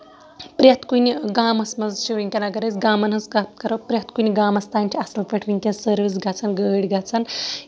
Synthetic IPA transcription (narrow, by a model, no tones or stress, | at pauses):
pɾʲjɐt̪kunʲiɡaːmɐsmɐzt͡ʃʰiʋiŋʲkʲɐnaɡɐɾɐzʲɡaːmɐnɦɐzkap̚t̪kɐɾɐwpɾʲjɐt̪kunʲiɡaːmɐst̪aːnʲt͡ʃʰiɐsɐlpʲɐʈʰʋiŋʲkʲɐnzsəɾʋizɡʱat͡sʰɐnɡəːɽʲɡat͡sʰɐn